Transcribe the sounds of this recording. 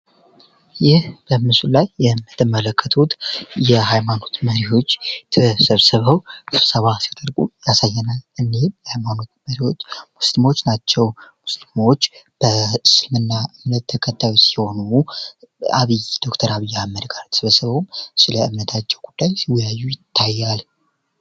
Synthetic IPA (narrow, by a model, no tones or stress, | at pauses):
jɪhb̥əmɨsulajːɛɨmːət̪ɨmələkʰːət̪ʰut̪jɛɦajmano̞t̪məɾiho̞t͡ʃːt̪ʰɨsəβsəβəwɾsəβasjat̪ʼəɾɡʼujasajːɛnalɨnːemjɛhajmano̞t̪məɾiho̞t͡ʃːmuslimot͡ʃːnat͡ʃːɛwmuslimo̞t͡ʃːb̥əsɨlmɨnːaʔɨmnət̪ʰːəkʰət̪ʰːajusi̥ho̞nu | a̰βɨjd̪̥o̞kt̪ʰəɾaβijːahmːəd̪ɡaɾt̪ʰə̥sβəsəβəwmsɨləɨmnət̪ʰat͡ʃːɛwɡud̪ːajsiwjajːujɪt̪ʰːajːal